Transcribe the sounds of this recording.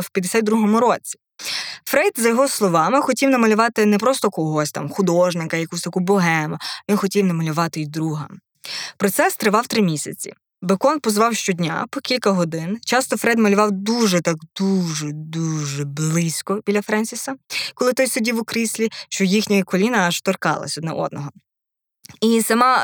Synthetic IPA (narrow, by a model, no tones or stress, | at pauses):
wpʲjɐd̪esʲat̪̚ʲd̪ɾuɦɔmʊɾɔt͡sʲi̥ | fɾɛd̪zɐjɔɦɔslˠɔʋɑmɪxɔtʲiwnɐmɐlʲʊʋɑt̪ɪnɛpɾɔst̪ɔkɔɦɔsʲt̪ɑ̰mxʊd̪ɔʒnɪkɐjɐkusʲt̪ɐkubɔɦɛmʊʋʲinxɔtʲiwnɐmɐlʲʊʋɑt̪ɪid̪ɾuɦɐm | pɾɔt̪sɛst̪ɾɪʋɑwt̪ɾɪmʲisʲɐ̰t͡sʲḭ | bekɔnpɔzʋɑwʃt͡ʃɔdʲnʲa̰pɔkʲilʲkɐɦɔd̪ɪnt͡ʃɑst̪ɔfɾɛd̪mɐlʲʊʋɑwd̪uʒɛt̪ɑɡd̪uʒɛd̪uʒɛblˠɪsʲkɔbʲilʲɐfɾɛnʲsʲisɐkɔlˠɪt̪ɔjsʊdʲiwʊkɾɪsʲlʲiʃt͡ʃɔjixnʲɐjkɔlʲinɐɐʃt̪ɔrkɑ̰lˠɐ̰sʲɔd̪nɛ̰ʔɔ̰d̪nɔɦɔ | isɐmɑ